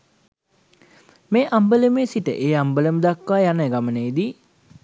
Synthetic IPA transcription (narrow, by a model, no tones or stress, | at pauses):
meːʔambələmeːsiʈə̰ʔeːambələməd̪akːʋaːjanəɡamənəid̪i